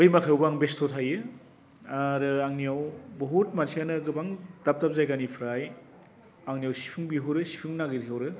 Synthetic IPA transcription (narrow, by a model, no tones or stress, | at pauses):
ojmakʰawbaŋbestʰotʰajɯ | aɾɯaŋnijawbɐɦut̚mansijanɯɡɯbaŋdap̚tap̚zajɡanipʰɾaj | aŋnijawsi̥pʰuŋbiɦuwɾɯsi̥pʰuŋnaɡidiawɾɯ